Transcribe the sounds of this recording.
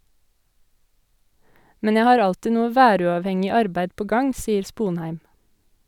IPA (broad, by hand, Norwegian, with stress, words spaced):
ˈmɛn ˈjæɪ ˈhɑːɾ ˈɑltɪ ˈnuːə ˈʋæːˌɾʉːɑːʋˌhɛŋɪ ˈɑɾbæɪ ˈpoː ˈɡɑŋ ˈsiːəɾ ˈspuːnhæɪm